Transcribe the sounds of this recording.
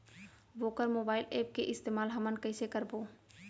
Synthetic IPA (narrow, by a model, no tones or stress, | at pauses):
ʋoːkəɾmoːbaːɪleːp̚keʔɪst̪eːmaːlɦəmənkəɪsekəɾboː